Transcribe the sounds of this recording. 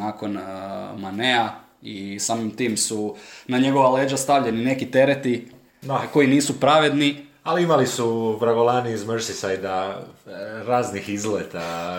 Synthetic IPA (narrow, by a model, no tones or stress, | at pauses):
ako̞nmanea | isaːmimt̪iːmsunaɲe̞ɡo̞ʋale̞ːd͡ʒast̪aʋʎe̞nine̞kit̪e̞ɾet̪i | d̪ako̞jiniːsupɾaʋe̞d̪ni | aliimalisubɾaɡolanizməɾsisajd̪a | ɾaːznixizlet̪a